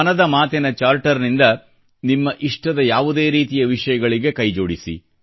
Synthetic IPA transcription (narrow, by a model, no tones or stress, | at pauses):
ɐnɐd̪ɐmaːt̪ɛnɐt͡ʃaːɾʈɐɾnind̪ɐ | nimːɐʔiʂʈɐd̪ɐjaːʋud̪e̞ːɾiːt̪ijɐʋiʂɐjɐɡɐɭiɡe̞kɐjd͡ʒo̞ːɽisḭ